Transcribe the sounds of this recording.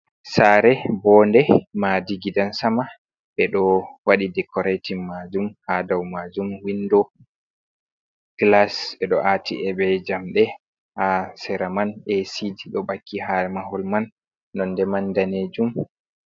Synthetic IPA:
saɾɛbɔndɛmadiɡidansama | ɓɛɗɔwaɗidɛkɔɾatimːad͡ʒumhadawmad͡ʒumwindɔ | ɡ̥lasɛɗɔʔatiɛɓɛd͡ʒamɗɛ | hasɛɾamanʔesidiɗɔbakːiɦamaɦɔlmanː | ɔndɛmandaneːd͡ʒum

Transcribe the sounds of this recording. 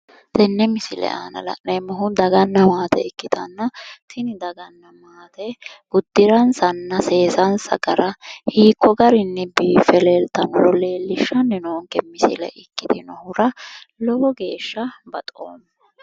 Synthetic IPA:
d̪ɛnːɛmɪsɪlɛ̰a̰ːnɐ̰lɐ̰ʔnɛmːɐɦʊd̪ɐɡɐnːɐmaːt̪ɛ̰ɪkːɪt̪ɐnːɐt̪ʰɪnɪd̪ɐɡɐnːɐmaːt̪ɛɡ̥ʊd̪ːɪɾɐnsɐnːɐse̞ːsɐnsɐ̰ɡɐɾɐhiːkːɔɡɐɾɪnːɛbiːfɛleːlt̪ɐnɔlɔle̞ːlːɪʃːɐnːɛnoːŋkɛmɪsɪlɛ̰ʔɪkːɪt̪d̪ɪnɔhʊɾɐ | lɔbɔɡe̞ːʃːɐbɐt̪ʼo̰ːmːɐ

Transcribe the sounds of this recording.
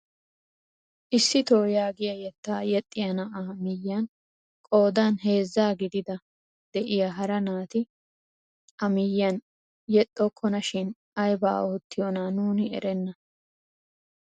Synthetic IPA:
ʔɪsːɪt̪oːjaːɡɪjɐjɛt̪ːaːjɛt̪ʼːɪjɐnɐʔamɪjːɐn | kʼo̞ːd̪aːnɦe̞ːzːaːɡɪd̪ɪd̪ɐ | d̪̥ɛʔɪjɐɦɐɾɐnaːt̪ɪ | ʔɐmɪjːɐn | jɛt̪ʼːɔkʰːɔnɐʃɪn | ɐjba̰ːoːt̪ːɪjɔnaːnuːnɪɛ̰ɾɛnːɐ

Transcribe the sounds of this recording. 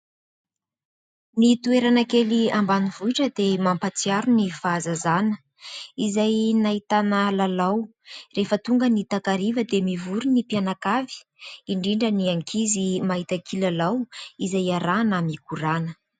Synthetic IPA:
mit̪ueɾanakeliambanivuiʈ͡ʂəd̪emampat͡siaɾunifazazanə̥ | izajnait̪anəlalaw | refət̪uŋɡənit̪akaɾivəd̪emivuɾunipianakavi̥ | iɳɖ͡ʐiɳɖ͡ʐəniaŋkʰizimaɦit̪akʰilalawizajaɾanamikuɾanə̥

